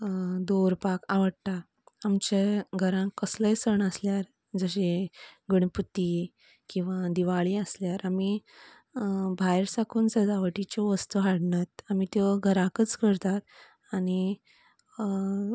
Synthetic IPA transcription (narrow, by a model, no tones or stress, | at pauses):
d̪oɾpakaʋəɽt̪aː | mt͡ɕeɡʱəɾãkəsləjsəɳəsljaɾ | d͡zəɕeɡəɳput̪ːi | kĩw̃ʋad̪iʋaɭiːəsljaɾami | bʱajɾsakʰuːnd͡zəd̪aʋəʈit͡ɕɔʋəst̪uɦaɽɳat̪̚amit̪ɔɡʱəɾãkət͡skəɾt̪at̪̚ | añi